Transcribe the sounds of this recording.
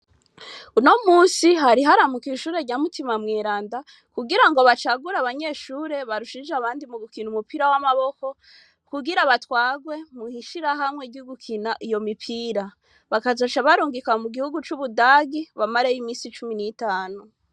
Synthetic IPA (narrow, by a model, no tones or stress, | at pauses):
uno̞muːsiɦaɾiɦaɾamukiʃuːɾe̞ɾɟaːmutimamŋeːɾaːnda | kuɡiɾaŋɡo̞βat͡ʃaɡuɾaβaɲe̞ːʃuːɾe̞βaɾuʃid͡ʒaβaːndimuɡukinumupiɾawamaβo̞ko̞ | kuɡiɾaβatxwaːɡwe̞muhiʃiɾaɦamŋeɟuɡukʰinaʔijo̞mipʰiɾa | βakazoʃaβaɾuːŋɡikamuɡihuɡut͡ʃuβudaːɡiβamaɾejimiːsit͡ʃuminitaːnu